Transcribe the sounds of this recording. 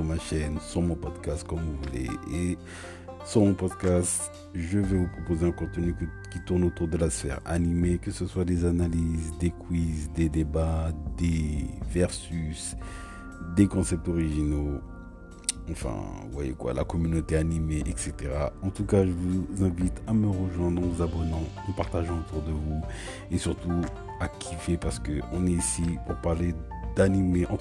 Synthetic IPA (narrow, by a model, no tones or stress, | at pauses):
yʁmaʃɛnsyʁmɔ̃pɔd̪kast̪kɔmvuvulḛe | syʁmɔ̃pɔd̪kʲast̪ | ʒəvɛvupχɔpozeɛ̃kɔ̃t̪ənykkʲit̪uʁnot̪uʁd̪əlasfɛ̰ʁa̰nimekəsəswad̪ezanalizd̪ekwizd̪ed̪ebad̪evɛʁsys | d̪ekɔ̃sɛp̚t̪ɔʁiʒino | ɑ̃fɛ̰̃vwajḛkwa̰la̰kɔmynot̪eanimeʔɛkset̪eʁaɑ̃t̪ukaʒəvuzɛ̃vit̪aməʁəʒwɛ̃d̪ʁəzabɔnɑ̃ | ɑ̃paʁt̪aʒɑ̃ot̪uʁd̪əvu | esyʁt̪u | akʲʰifepaʁsə̥kəʔɔ̃nɛisipuʁpaʁle | d̪animeʔɑ̃